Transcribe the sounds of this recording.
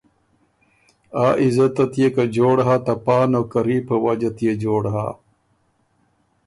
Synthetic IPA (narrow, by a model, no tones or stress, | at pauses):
aːʔizɐt̪ɐt̪jekɐd͡ʑoːɽɦaːt̪ɐpaːnoːkɐɾiːpʰɐwɐd͡ʑɐt̪jed͡ʒoːɽɦa̰